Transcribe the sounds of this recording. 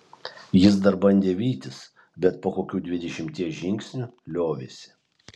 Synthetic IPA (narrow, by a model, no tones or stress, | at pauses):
jɪs̬d̪ɐɾbɐnʲd̪ʲeːʋʲiːt̪ʲɪs | bʲɛt̪̚poːkoːkʲuːd̪ʲʋʲɪd̪ʲɛʃʲɪmʲt̪ʲiɛʒʲɪŋʲksʲnʲulʲoːʋʲeːsʲɪ̥